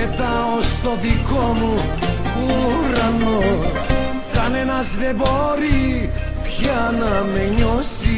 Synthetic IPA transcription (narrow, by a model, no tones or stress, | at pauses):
et̪ɐ | ost̪o̞ðiko̞mu | uɾɐno | kɐne̞nɐzðe̞bo̞ɾi | pçɐnɐme̞ɲosi